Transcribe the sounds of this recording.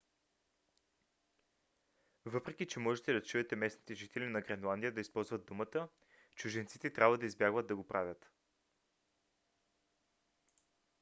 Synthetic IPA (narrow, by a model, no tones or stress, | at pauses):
vɤpɾɛk̟it͡ʃɛmɔʒɛt̪ɛd̪ɐt͡ʃuɛt̪ɛmɛsnit̪ɛʒit̪ɛlʲinɐɡɾɛnlˠand̪ijəd̪ɐispɔlˠzvəd̪̚d̪umət̪ə | t͡ʃʊʒɛnt̪sit̪ɛt̪ɾʲabvəd̪ɐizbjaɡvət̪d̪̚ːɐɡopɾʔavʲət̪